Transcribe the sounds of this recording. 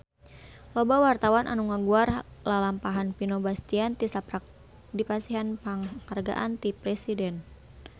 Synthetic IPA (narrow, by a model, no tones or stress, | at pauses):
lɔbawart̪awanʔa̰nuŋaɡuarlalampaɦanpinobast̪iant̪isapɾak̚ | dipasiɦanpaŋharɡa̰ʔant̪ipɾɛsidɛn